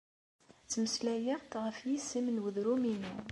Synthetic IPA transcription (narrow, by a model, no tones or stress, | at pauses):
t͡sːməslæjəʁt̪ʁəfjisːimənwəðɾumini